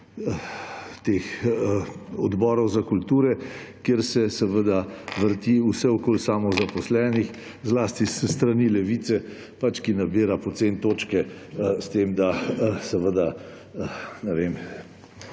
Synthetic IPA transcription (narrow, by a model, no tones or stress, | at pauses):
t̪ex | ɔd̪bɔːɾɔwzakult̪uːɾɛ | keɾsɛsɛʋəd̪aʋəɾt̪iusɛɔkoːlsamɔzapɔslɛːnix | zlaːst̪isst̪ɾaniːlɛʋiːt̪sɛ | pat͡ʃkinabiːɾapɔt̪sent̪oːt͡ʃkɛst̪emd̪asɛʋəd̪a | nɛʋem